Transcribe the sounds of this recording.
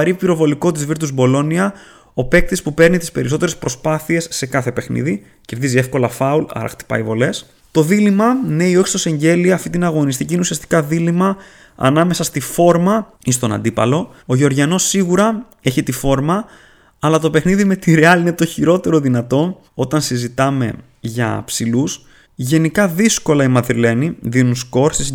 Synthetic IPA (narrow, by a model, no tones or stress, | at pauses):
ɐɾipiɾo̞vo̞liko̞t̪̬izviɾt̪uzbo̞lo̞niɐ | o̞pe̞k̚t̪ispupeɾnit̪ispe̞ɾiso̞t̪eɾespɾo̞spɐθie̞sːekɐθe̞pe̞xnḭði | ce̞ɾðizie̞fko̞lɐfɐulɐ̰ɾɐ̰xt̪i̥pɐ̰ivo̞le̞s | t̪o̞ðilimɐne̞io̞çi̥st̪ose̞ɲɟe̞liɐːft̪int̪inɐɣo̞nist̪icineusiɐst̪i̥kɐðilimɐ | ɐ̰nɐme̞sɐst̪ifo̞ɾmɐ | ist̪o̞nɐ̰nd̪ipɐlo̞ | oʝo̞ɾʝɐno̞sːiɣuɾɐ | e̞çit̪ifo̞ɾmɐ | ɐlɐt̪o̞pe̞xniðime̞t̪iɾeɐline̞t̪o̞çiɾo̞t̪e̞ɾo̞ðinɐt̪o̞ | o̞t̪ɐnsizit̪ɐme̞ | ʝɐ̰psilus | ʝe̞nikɐðisko̞lɐimɐðɾile̞niðinunsko̞ɾsis